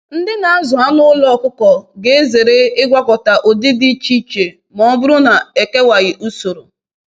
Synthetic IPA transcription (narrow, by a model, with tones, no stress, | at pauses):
n̩˦dɪ˦na˨a˦zʊ˨a˦nʊ˦lɔ˦ɔ˦˨kʊ˦kɔ˨ɡe˦e˦ze˨ɾe˦ɪ˦ɡʷa˦kɔ˨ta˨ʔo˨dɪ˦di˦t͡ʃi˦t͡ʃe˨ | mɔ˨˦bʊ˦ɾʊ˦na˨e˨ke˦wa˨ɣɪ˨ʔu˦so˨ɾo˨